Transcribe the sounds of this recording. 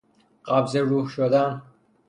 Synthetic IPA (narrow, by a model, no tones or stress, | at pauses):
ɢabzeɾuːhʃod̪an